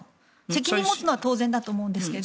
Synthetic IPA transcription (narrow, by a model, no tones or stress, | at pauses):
se̞kʲiɲɲ̟imo̞t͡sɨno̞βat̪o̞ːzẽnd̪at̪oːmoɯ̟̃nd̪e̞sɨ̥ke̞d̪